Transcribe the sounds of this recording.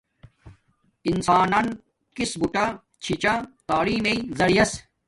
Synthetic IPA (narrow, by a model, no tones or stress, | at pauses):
insaːnɐn | kisbuʈa | t͡ɕʰit͡ɕat̪aːliːmeizɐɽijɐs